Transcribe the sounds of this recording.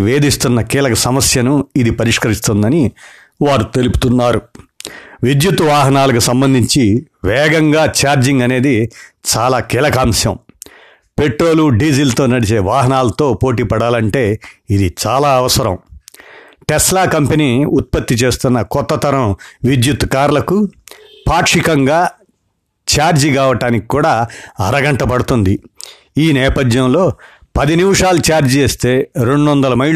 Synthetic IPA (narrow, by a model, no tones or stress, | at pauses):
ʋeːd̪ist̪unːɐkiːlɐkɐsɐmɐsjɐnuid̪ipɐɾiʂkɐɾist̪und̪ɐni | ʋaːɾut̪e̞lupu̥t̪unːaːɾu | ʋid̪jut̪ʋaːɦɐnaːlɐkusɐmbɐnd̪ʱiɲt͡ʃiʋɛːɡɐŋɡaːt͡ʃaːɾd͡ʒiŋɡɐne̞ːd̪it͡ʃaːlaːkiːlɐkaːmsjɐ̰m | pe̞ʈɾo̞ːluɖiːd͡ʒilt̪o̞ːnɐɽit͡ʃe̞ːʋaːɦɐnaːlɐt̪o̞ːpo̞ːʈ̬iːpɐɽaːlɐɳʈe̞ːid̪it͡ʃaːlaːɐʋɐsɐɾɐ̰̃m | ʈɛslaːkɐmpeniːut̪̚pɐt̪ːit͡ʃe̞ːst̪unːɐkɔt̪ːɐt̪ʰɐɾɐmʋid̪jut̪ːkaːɾlɐkupaːkʂikɐŋɡaː | t͡ʃaːɾd͡ʒiɡaːʋɐʈaːniki̥kːuːɽaːɐɾɐɡɐɳʈɐpɐɽut̪und̪i | iːnɛːpɐd̪jɐmlo̞ː | pɐd̪inimʂaːlut͡ʃaːɾd͡ʒieːst̪e̞ːɾeɳɖɔnd̪ɐlɐmɐjɭ